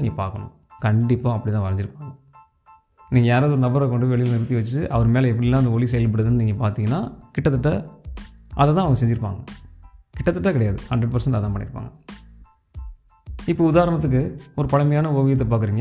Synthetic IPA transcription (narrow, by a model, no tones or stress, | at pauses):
niːŋɡɐpa̰ːɾkɐɳʊ̰̃ | kɐɳɖɪpːãɐpːɐɽɪt̪ːãːʋɐɾɐɲd͡ʒɪɾɯpːaːŋɡɐ | niːŋɡɐjaːɾaːðɯɔɾɯnɐbɐɾɐkːɔɳɖɯʋɛɭɪjɪlnɪɾɯt̪ːiʋɐt͡ʃːɯʔɐʋɐɾɯmeːlɐɛpːɐɽɪlaːɪnd̪ɐɔɭisɛjɐlpɐɽɐðɯnːɯniːŋɡɐpaːɾt̪iːŋɡɐnːa̰ːkɪʈːɐt̪ːɯʈːɐ | ʔɐðɛt̪ãːɐʋɐŋɡɐs̬ɛɲd͡ʒɪɾɯpːa̰ːŋɡɐkɪʈːɐt̪ːɯʈːɐ̃kɪɽɐjaːðɯhɐɳɖɾɛɖ̚pɐɾsɐɳʈɐt̪ãːpɐɳːɪ̰ɾɯpːa̰ːŋɡɐ | ɪpːoʊðaːɾɐɳɐt̪̬ːɯk̬ːɯɔɾɯpɐɭɐmɐjaːnɐoːʋɪjɐt̪ːɐpaːkɯɾiːŋɡɐ